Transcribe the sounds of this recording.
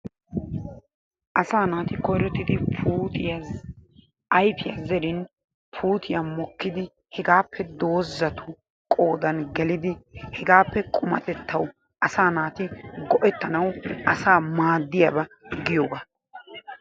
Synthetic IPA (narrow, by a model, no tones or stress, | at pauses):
ʔɐsaːnaːt̪ɪkɔjɾɔt̪ːɪd̪ɪpʰuːt̪ | ɐjpɪjazɛɾɪn | pʰuːt̪ʰɪjɐmɔkːɪd̪ɪ | hɛɡaːpʰːɛd̪o̞ːzːɐt̪ʊ | kʼo̞ːd̪ɐnɡɛlɪd̪ɪhɛɡaːpːɛkʼʊmɐ̰t̪ɛt̪ːɐw | ʔɐsaːnaːt̪ɪɡɔʔɛt̪ːɐnɐwʔɐsaːmaːd̪ːɪjabɐ | ɡɪjoːɡaː